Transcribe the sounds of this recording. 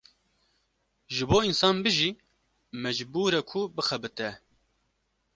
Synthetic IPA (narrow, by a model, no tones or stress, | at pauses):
ʒɨboːinsɑːnbɨʒiː | mɛd͡ʒbuːɾɛkʰubɨxɛbɨt̪ɛ